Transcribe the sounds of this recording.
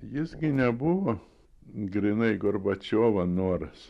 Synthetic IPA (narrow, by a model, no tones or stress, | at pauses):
jɪsɡʲɪnʲɛbʊʋo | ɡɾʲɪnɐɪɡoɾbɐt͡ʃʲoːʋɐnuɔɾɐs